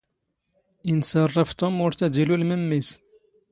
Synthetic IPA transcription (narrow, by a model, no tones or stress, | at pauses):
ʔɪnsɑrˤːɑft̪ʊmːʊɾt̪æd̪ilulməmːis